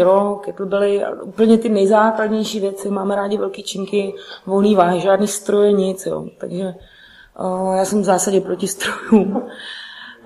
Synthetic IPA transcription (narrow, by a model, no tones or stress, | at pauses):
okɛt̪lʊbɪlɪa̰uːpl̩ɲɛt̪ɪnɛjzaːkladɲɛjʃiːvjɛt͡sɪmaːmɛɾaːɟɪvɛlkiːt͡ʃɪŋkɪvolniːvaːɦɪʒaːdniːst̪ɾojɛɲɪt͡sjo̰ːt̪a̰ɡʒɛ | jaːsɛmvzaːsaɟɛpɾocɪst̪ɾojum